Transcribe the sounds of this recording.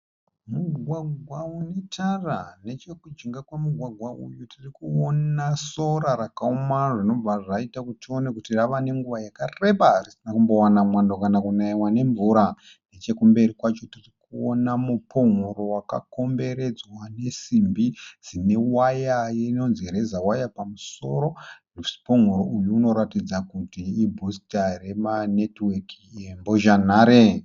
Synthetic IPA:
muɡʱwaɡʱwaunetʰarane̞t͡ʃe̞kud͡ʒiŋɡakwemuɡʱwaɡʱwaʔṵjutʰirikuonaso̞ɾaɾakaumaʐino̞b͡vaʐaitakutio̞nekutiraʋane̞ŋɡuʋajakare̞ɓaarisinakumbo̞wanamwandokanakunaiwane̞ɱvuɾa | ne̞t͡ʃe̞kumbe̞rikwat͡ʃo̞tirikuonamupʰo̞ŋoɾo̞waka̰ko̞mbe̞ɾe̞d͡zwane̞simbid͡z̥ine̞wajajino̞nziɾe̞zawajapamuso̞̰ɾo̞npo̞ŋuɾoʔujuːno̞ɾatid͡zakutiːbʱustare̞manetwekiemboʒanaːɾe

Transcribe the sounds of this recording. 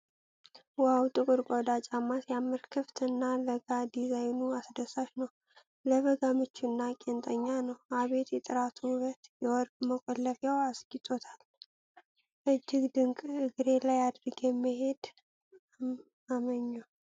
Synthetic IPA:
wawt̪ʼɨkʼɨɾkʼod̪at͡ʃʼamːasjamːɨɾkʰɨft̪ʰɨnːaləɡad̪izajnuasd̪əsaʃnəw | ləβəɡamɨt͡ʃːunːakʼent̪ʼəɲːanəwaβe̞t̪jɛt̪ʼɨɾat̪ʰuβət̪jɛwɔɾɡʼməkʼɔlːəfjawasɡit̪ʼot̪ʰal | ʔɨd͡ʒːɪɡd̪ɨŋkʼɨɡɨɾe̞lajad̪ɾɡjɛmːɨhe̞d̪ | aməɲːa

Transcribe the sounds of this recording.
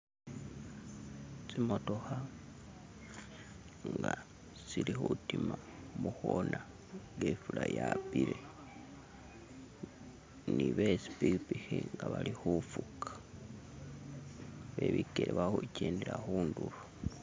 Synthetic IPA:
t͡simo̞to̞xa | ŋɡa | silixutima | muxona | ŋɡefulajapiɾe | niβe̞si̥piɾipixiŋɡaβalixufukḁ | βe̞βikeɾeβaxuceːndiɾaxuːndulu

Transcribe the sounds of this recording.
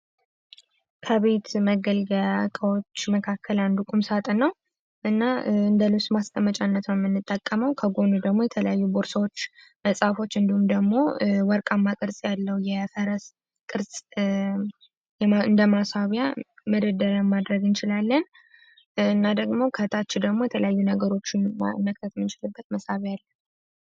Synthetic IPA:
kʰəβe̞t̪məɡəlɡəakʼəwo̞t͡ʃːməkʰakʰːəland̪ukʼumsat̪ʼnːəw | ʔɨnːaɨnd̪əlusmast̪ʼəmət͡ʃʼanːət̪nəmːɨnːɨt̪ʼːəkʼːəməwkʰəɡo̞nud̪əɡmo̞jɛt̪ʰələjajːuboɾsəwot͡ʃː | məsʼafo̞t͡ʃːɨnd̪ihumd̪əɡmo̞wɔɾkʼamːakʼɨɾsʼjalːəwjɛfəɾəs | kʼɨɾsʼ | jɛɨnd̪əmasaβjaməd̪əd̪əɾəmːad̪ɾəɡɨnt͡ʃɪlalːən | ɨnːad̪əɡmo̞kʰət̪ʰat͡ʃːɪd̪əɡmo̞jɛt̪ʰələjajːunəɡəɾo̞t͡ʃːɪnməkt̪ʰət̪mɨnt͡ʃɪlɨbːət̪məsaβjjalːən

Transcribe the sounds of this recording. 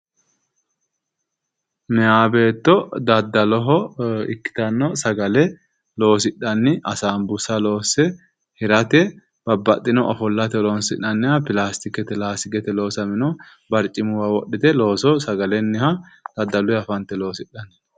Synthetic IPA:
mɛjaːbeːt̪ːɔd̪ɐd̪ːɐlɔɦɔɪ̰kːɪ̥t̪ɐnːɔsɐɡɐlɛ | lo̞ːs̬ɪᶑɐnːɪʔɐsaːmbʊsɐlo̞ːsɛ | hɪɾɐt̪ɛ | b̥ɐbːɐt̪ʼːɪnɔʔɔfɔlːɐt̪ɛlonsɪᶑɐnːɪhɐpɪlaːst̪ɪkɛt̪ɛlaːsɪkɛt̪ɛlo̞ːsɐmɪnɔ | bɐɾt͡ʃʼːɪmʊwɐwɔɗːɪt̪ɛlo̞ːsɔsɐɡɐlɛnːɛhɐd̪̥ɐd̪ːɐlʊɛɐfɐnt̪ɛlo̞ːsɪɗɐn

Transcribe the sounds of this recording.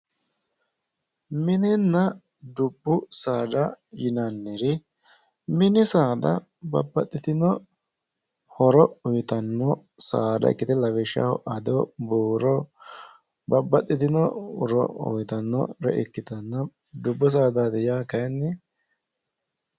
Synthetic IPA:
mɪnɛnːɐ | d̪ʊbːʊsaːd̪ɐjɪnɐnːɛɾɪ | mɪnɪsaːd̪ɐ̰ | bɐbːɐt̪ʼːɪt̪ɪnɔ | hɔɾɔʊjɪt̪ɐnːɔ | saːd̪ɐ̰ɪ̰kːɪt̪ɛlɐwɛʃɪa̰ːhɔ̰ʔɐd̪ɔbuːɾɔ | bɐbːɐt̪ʼːɪt̪ɪnɔɾɔ̰ʊ̰jt̪ɐnːɔ̰ɾɛ̰ʔɪkːɪt̪ɐnːɐ | d̪ʊbːʊs̬aːd̪ad̪ɛjaːkɐnːɪ

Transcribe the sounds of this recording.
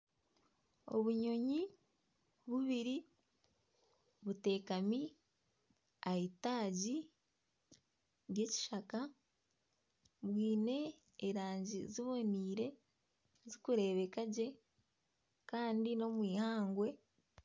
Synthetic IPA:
o̞̰βuɲo̞ɲi | βuβiɾi | βute̞ːkami | aitaːɟi | ɾje̞ci̥ʃaka | βwiːne̞ː | ɾaːɲɟiziβo̞niːɾe̞ | zikuɾe̞ːβe̞kaɟe̞ | kaːndino̞mwiːhaːŋɡwe̞

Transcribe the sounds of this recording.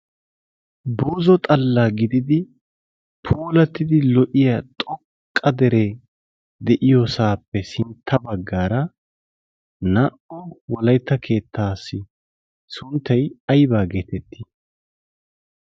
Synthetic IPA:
boːzɔt̪ʼɐlːaːɡɪd̪ɪd̪ɪ | pʰuːlɐt̪ːɪd̪ɪlɔʔɪjat̪ʼɔkʼːɐd̪ɛɾɛ | d̪ɛʔɪjɔsaːpːɛsɪnt̪ʰːɐbɐɡːaːɾɐ | nɐʔɔwɔlɐjt̪ːɐkʰe̞ːt̪ʰːaːsːɪ | sʊnt̪ʰːɐjɐjbaːɡe̞ːt̪ɛt̪ʰːi

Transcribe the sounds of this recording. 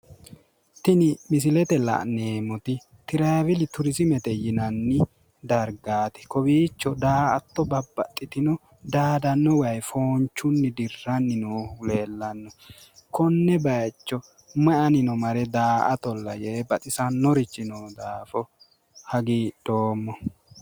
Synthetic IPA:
t̪ɪnɪmɪs̬ɪlɛt̪ɛlɐ̰neːmɔt̪ɪ | t̪ɪɾɐjvɪlɪt̪ʊɾɪsɪmɛt̪ɛjɪnɐnːɪ | d̪ɐɾɡaːt̪ɛ̥kɔbiːt͡ʃːɔd̪aːɐt̪ːɔbɐbːɐt̪ʼːɪt̪ɪnɔ | d̪aːd̪ɐnːɔwɐjfoːnt͡ʃːʊnːɪd̪ɪrːɐnːɪnoːleːlːɐnːɔ | kɔnːɛbɐjt͡ʃːɔ | mɐʔɐnɪnɔmɐɾɛd̪aːʔɐt̪ɔlːɐjɛbɐt̪ʼɪsɐnːɔɾɪt͡ʃːɪnɔːd̪aːfɔ | hɐɡid̪̥oːmːɔ

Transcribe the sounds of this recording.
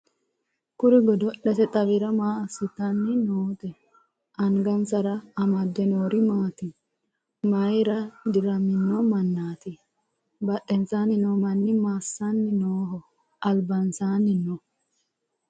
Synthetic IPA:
kʊɾɪɡɔd̪ɔɗɛt̪ɛt̪ʼɐβɪɾɐmaːɐsɪt̪ːɐnːɪnoːt̪ɛ | ʔɐŋɡɐnt͡sɐɾɐɐmɐd̪ːɛnoːɾɪmaːt̪ɪ | mɐjɾɐd̪ɪɾɐmɪnːɔmɐnːaːt̪ɪ | bɐɗɛnt͡saːnɪnoːmɐnːɪmaːsːanːɪnoːɦɔ | ʔɐlbɐnsaːnːɪnɔ

